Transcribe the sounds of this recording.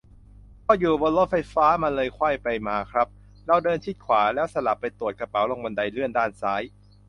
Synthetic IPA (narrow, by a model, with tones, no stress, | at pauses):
pʰɔː˧˩juː˨˩bɤː˧lo˦˥fa˧jfaː˦˥ma˧nlɤː˧jkʰwa˥˩jpa˧jmaː˧kʰɾa˦˥p̚ | ɾa˧wdɤː˧nt͡ɕʰi˦˥t̪̚kʰwaː˩˦lɛː˦˥wsa˧la˨˩pːa˧jt̪u˨˩ət̪̚ka˧pa˩˦wlo˧ŋbo˧nda˧jlɯ˥˩əndaː˥˩nsaː˦˥j